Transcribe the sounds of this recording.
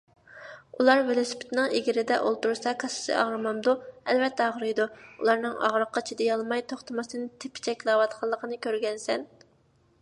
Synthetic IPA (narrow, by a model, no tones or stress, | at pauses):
ulˠɑɾvelˠosɪ̥pʰɪ̥t̪nɨŋeɡʲɪɾɪd̪ɛʔolˠt̪uɾsɑkʰɑsɨ̥sɨ̰ʔɑ̰ʁɾɨmɑmd̪uɛlvɛt̪ʰːɛɑʁɾɨjd̪uṵlˠɑɾnɨŋɑ̰ʁɾəqːɑt͡ʃʰid̪ɛjɑlˠmɑjt̪ʰoχt̪ʰɨmɨsɨnɨt̪ʰepʰːɪ̥t͡ʃʰɛkʲlˠɑwɑt̪qʰɑlˠːəqʰənɨkʲʰøɾɡʲɛnsɛn